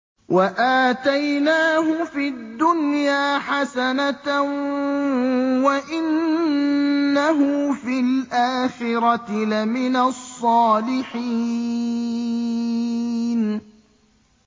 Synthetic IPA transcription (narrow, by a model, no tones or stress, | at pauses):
waʔaːt̪ajnaːɦʊfid̪ːʊnjaːħasanat | waʔɪn | aɦʊfilʔaːxɪɾɑɪlamɪnasˤːɑːlɪħiː | n